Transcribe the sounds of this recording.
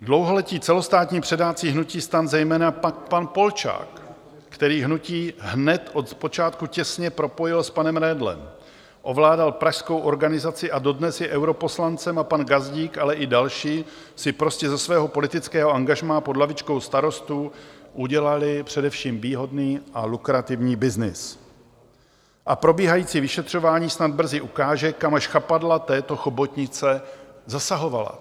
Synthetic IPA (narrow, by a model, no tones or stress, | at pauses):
dlo̞wɦo̞lɛciːt͡sɛlo̞st̪aːt̪ɲiːpr̥ɛdaːt͡siːɦnuciːst̪anzɛjmɛːnapak̚panpo̞lt͡ʃa̰ːkː | t̪ɛɾiːɦnuciːɦnɛt̪ʔo̞t̪po̞t͡ʃaːt̪kucɛsɲɛpɾo̞po̞jɪlspanɛmɾɛːdlɛ̰m | ʔo̞vlaːdalpɾaʃskowʔo̞ɾɡanɪzat͡sɪʔado̞dnɛsjɛʔɛwɾo̞po̞slant͡sɛmapanɡazɟiːkʔalɛʔɪdalʃiː | sɪpɾo̞scɛzɛsvɛːɦo̞po̞lɪt̪ɪt͡skɛːɦo̞ʔaŋɡaʒmaːpodlavɪt͡ʃkowst̪aɾo̞st̪uʔuɟɛlalɪpr̝̥ɛdɛfʃiːmviːɦo̞dniːʔalukɾat̪ɪvɲiːbɪznɪ̰s | ʔapɾo̞biːɦajiːt͡siːvɪʃɛt̪r̝̥o̞vaːɲiːsnad̪̚br̩zɪʔukaːʒɛkamaʃxapadlat̪ɛːt̪o̞xobot̪ɲɪt͡sɛzasaɦo̞vala̰